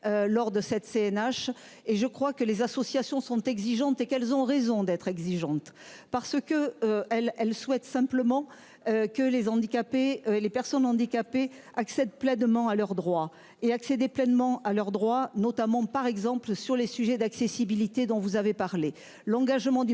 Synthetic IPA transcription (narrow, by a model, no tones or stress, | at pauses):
ølɔʁd̪əsɛt̪seɛnaʃ | eʒəkχwakəlezasɔsjasjɔ̃sɔ̃t̪ɛɡziʒɑ̃t̪ekɛlzɔ̃ʁezɔ̃d̪ɛt̪χɛɡziʒɑ̃t̪paʁsəkəøɛlɛlswɛt̪sɛ̃pləmɑ̃ | økəlezɑ̃d̪ikapeølepɛʁsɔnɑ̃d̪ikape | aksɛd̪plɛnmɑ̃alœʁd̪ʁwa | eaksed̪eplɛnmɑ̃alœʁd̪ʁwanɔt̪amɑ̃paʁɛɡzɑ̃plsyʁlesyʒɛd̪aksesibilit̪ed̪ɔ̃vuzavepaʁle | lɑ̃ɡaʒmɑ̃d̪y